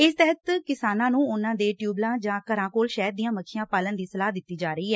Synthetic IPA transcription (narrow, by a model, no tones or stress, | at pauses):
ɪst̪ɛɦət̪kɪsaːnãːnũːʊnãːd̪eːʈjuːblãːd͡ʒãːkəɾãːkoːlʃɛːd̪d̪iːjãːməkʰːɪjãːpaːlənd̪iːsəlaːɦd̪ɪt̪ːiːd͡ʒaːɾəiːɦɛː